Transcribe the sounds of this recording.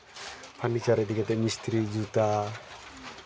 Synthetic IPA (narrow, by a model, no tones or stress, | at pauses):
pʰanit͡ɕaɾed̪iket̪emist̪ɾid͡ʑut̪a